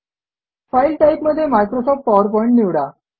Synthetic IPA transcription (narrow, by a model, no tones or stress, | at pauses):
failʈaipməd̪ʱːjemajkɾosɔfʈfɔʋəɾpɔĩɳʈniʋɽa